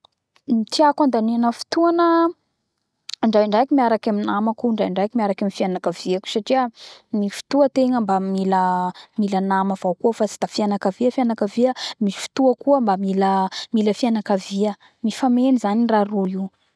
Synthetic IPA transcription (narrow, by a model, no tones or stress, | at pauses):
mit̪iakand̪anenəfi̥t̪uanə | aɳɖ͡ʐajɳɖ͡ʐajakimiaɾakaminamakuɳɖ͡ʐajaɳɖ͡ʐajkimiaɾakamifianakaviaku̥saʈ͡ʂiənifi̥t̪uət̪eŋəmbamiləmilənamav̥awkuəfat͡si̥d̪̥afianakaviəfianakəviəmifi̥t̪uəkuəmbamiləmiləfianakaviə | mifamenizaniraɾui